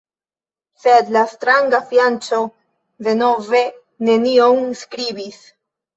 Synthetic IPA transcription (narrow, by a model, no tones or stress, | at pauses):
sed̪lastɾaŋɡafjant͡so̞ | de̞no̞ve̞ | ne̞nionskɾibis